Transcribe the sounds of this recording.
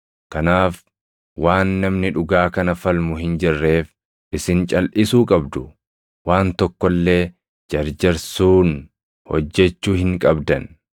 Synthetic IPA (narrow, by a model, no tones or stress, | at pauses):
kɐnaːf | waːnːɐmnɪᶑʊɡaːkɐnɐfɐlmʊhɪnd͡ʒɪrːe̞ːf | ʔɪsɪnt͡ʃʼɐlʔɪsuːkʼɐbd̪ʊ | waːnt̪ɔkːɔlːe̞ː | d͡ʒɐɾd͡ʒɐɾsuːn | hɔ̰d͡ʒːɛt͡ʃːuːhɪŋkʼɐbd̪ɐn